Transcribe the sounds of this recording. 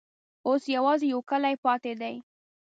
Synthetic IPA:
osjawɑzejawkəlajpɑt̪ed̪aj

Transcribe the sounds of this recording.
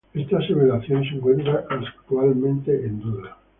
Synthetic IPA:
e̞st̪aːseβelaθjo̞ns̬eŋkwe̞nt̪ɾaʔːkt̪ualmẽ̞nt̪eːnd̪uða

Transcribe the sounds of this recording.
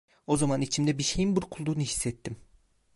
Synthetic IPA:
o̞zamanit͡ʃʰimd̪ɛbiɾʃe̞jinbuɾkʰulˠd̪uːnɯhi̥sːɛt̪ʰːim

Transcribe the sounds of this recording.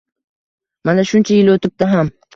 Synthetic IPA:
manaʃʊnt͡ʃʰajɪlot̪ʰɪp̚d̪ɪɦam

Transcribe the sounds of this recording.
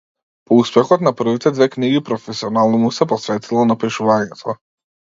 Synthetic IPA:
pɔuspɛxɔt̪napr̩vit̪ɛd̪vɛkniɡipɾɔfɛsiɔnalˠnɔmusɛpɔsvɛt̪ʰilˠɔnapiʃuvaɲɛt̪ʰɔ

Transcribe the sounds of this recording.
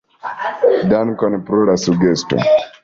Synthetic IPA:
dankɔnpɾolasuɡesto̰

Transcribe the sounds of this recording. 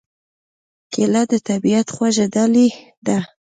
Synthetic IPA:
kelad̪ət̪abiat̪xwaʒed̪ali | d̪a

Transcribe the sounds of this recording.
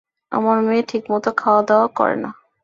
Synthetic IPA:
a̰maɾmeːʈʰikmɔt̪okʰaoad̪ɛoakɔ̰ɾḛna

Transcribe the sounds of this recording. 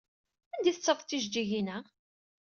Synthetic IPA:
ænd̪iθət͡sːəvˤt̪ːiʒd͡ʒiʝinæ

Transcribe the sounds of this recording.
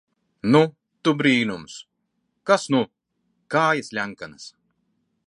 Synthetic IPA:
nu | t̪ubɾiːnums | kasnu | kaːjasʲlʲæŋkanas

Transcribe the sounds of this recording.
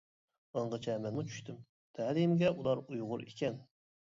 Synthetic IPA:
əɴʁət͡ʃʰɛmɛnmut͡ʃʰy̥ʃt̪ʰɪm | t̪ʰælimɡʲɛʔulˠɑɾujʁʊɾḭkʲɛn

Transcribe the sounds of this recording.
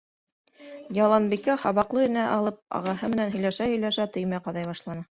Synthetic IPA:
jɑlˠɑnbikæhɑβɑqlˠɤɘ̆næʔɑlˠɤp̚ɑ̰ʁɑhɤmɘ̆nænɦɵ̆jlæʃæhɵ̆jlæʃæt̪ɵ̆jmæqɑðɑjβɑʃlˠɑnɤ

